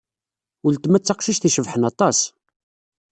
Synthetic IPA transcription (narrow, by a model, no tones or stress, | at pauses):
ʊlt̪mæt͡sːɑqʃiʃθiʃəvħənɑt̪ˤɑs